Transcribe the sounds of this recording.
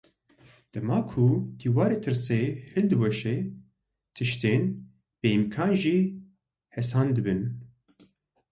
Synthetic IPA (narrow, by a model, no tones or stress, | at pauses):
d̪̥ɐmaːkʰud̪̥iːwaːɾeːt̪ʰɨɾseːhɨld̪ɨwɛʃe | t̪ʰɨʃt̪eːn | b̥ɨimkʰɑːnʒiː | hɛsaːnd̪ɨbɨn